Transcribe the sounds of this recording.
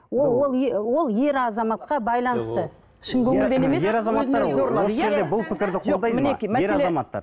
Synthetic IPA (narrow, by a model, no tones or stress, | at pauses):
wowo̞lˠewo̞lˠje̞ɾɑzɑmɑt̪̚qɑbɑjlˠɑnəst̪ə | ʃɪŋkʲʰɵŋɪd̪enemejɾɑzɑmɑɑɾoɾoossʒe̞ɾd̪ebʊlˠpʰɪkʲɪɾd̪ɪqʰod̪ɑjmɪnekʲimæeɾɑezɑmɑt̪ːɑ̰ɾ